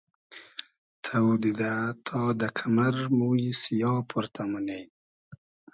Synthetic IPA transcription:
t̪ʰawd̪id̪at̪ʰɑd̪əkʰamaɾmujsijɑːpʰuɾt̪ʰamanej

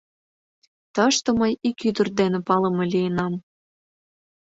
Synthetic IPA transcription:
t̪əʃt̪ɤ̆məjikyd̪ə̆rd̪enĕpɑlɤ̆mɤ̆lʲijənɑm

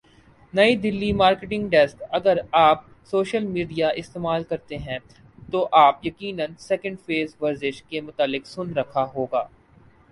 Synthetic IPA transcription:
nɐid̪ɪlːimaːɾkeʈɪ̃ŋɡɖɛskɐɡəɾaːp | soːʃəlmiːɖijaʔɪst̪eːmaːlkɐɾt̪eɦɛ̃ | t̪oʔaːpjɐkiːnə̃nsɛkə̃ɳɖfeːzʋɐɾzɪʃkemʊt̪aːlːɪksʊnɾɐkʰaɦoːɡaː

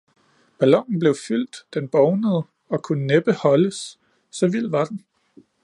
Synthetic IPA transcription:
b̥ælɒ̽ŋ̰n̩b̥le̝ʊfyl̰d̥d̥enb̥ɒʊnəð̞̩ˠ | ɒ̽kʰunəneb̥əhɒ̽ləsː | ɒ̽ʋil̰ʋɑ̈d̥en

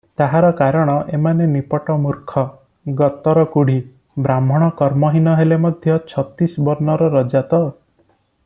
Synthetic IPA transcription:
t̪aɦaɾɔkaɾɔɽ̃ɔʔemanenipɔʈɔmuɾkʰɔ | ɡɔt̪ɔɾɔkuɽ̤i | bɾam̤ɔɽ̃ɔkɔɾmɔɦinɔɦelemɔd̪ʱjɔt͡ʃʰɔt̪isbɔɾnɔɾɔɾɔd͡ʒat̪ɔ

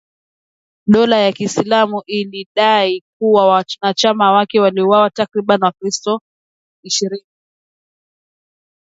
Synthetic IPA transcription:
ɗɔlajakisilamuʔiliɗaik̚uwawanat͡ʃamawakɛwaliuwawatakɾiɓaniwakɾistɔ | iʃiɾini

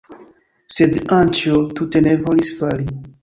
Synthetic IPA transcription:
sedãnt͡ʃiotutenevolisfali

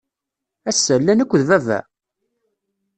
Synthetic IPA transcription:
æsːælːænækʷːðvævæ̰

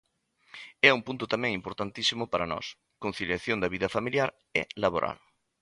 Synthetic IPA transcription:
ɛumpunt̪ʊt̪amɛ̃ŋimpoɾt̪ant̪isimʊpaɾɐnɔ̰s | kon̟θiljaθjond̪ɐβiðɐfamiljaɾ | ɛ̰laβoɾʔa̰l

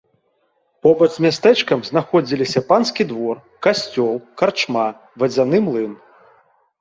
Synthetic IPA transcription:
pɔbɐd̪mʲast̪ɛt͡ʂkɐmznaxɔd͡zʲilʲisʲɐpanskʲid̪vɔr | kasʲt͡sʲɔlˠkart͡ʂma | vɐd͡zʲanɨmlˠɨn

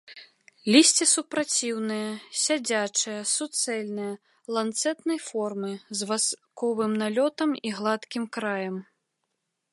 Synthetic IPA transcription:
lʲisʲt͡sʲisupɾat͡sʲiwnɨjɐsʲad͡zʲat͡ʂɨjɐsut̪sɛlʲnɨjɐ | lˠant̪sɛt̪nɐjfɔrmɨzvaskɔvɨmnalʲɔt̪ɐmiɣlˠat̪kʲimkɾajɐm

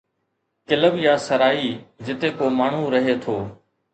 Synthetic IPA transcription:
kɪləʋjaːsəɾaːiːd͡ʒɪt̪eːkoːmaːɳ̤ũːɾəɦeːt̪ʰoː

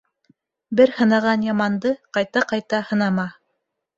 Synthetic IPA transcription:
bɘɾhɤ̆nɑʁɑnjɑmɑnd̪ɤqɑjt̪ɑqɑjt̪ɑhɤ̆nɑmɑ

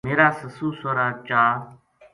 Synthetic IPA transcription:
meːɾaːsəsuːsoːɾaːt͡ʃaː

